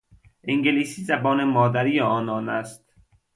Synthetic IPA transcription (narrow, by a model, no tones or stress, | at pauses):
ʔiŋɡeliːsiːzæbɒːnemɒːd̪æɾiːjeɒːnɒːnæst̪